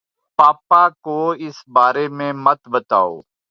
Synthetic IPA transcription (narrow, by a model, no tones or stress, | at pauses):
paːpakoːɪsbaːɾemẽmɐt̪bət̪a̰ːo̰ː